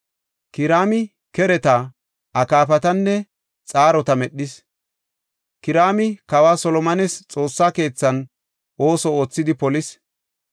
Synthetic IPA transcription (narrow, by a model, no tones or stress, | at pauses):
kɪɾaːmɪ | kɛɾɛt̪a | ʔɐkaːf̬ɐt̪ɐnːɛ | t͡sʼaːɾɔt̪ɐmɛɗːɪs | kɪɾaːmɪkɐwaːsɔlɔmɐnɛst͡sʼo̞ːsːaːke̞ːt͡sːɐn | ʔo̞ːsɔoːt͡sːɪd̪ɪpɔlɪs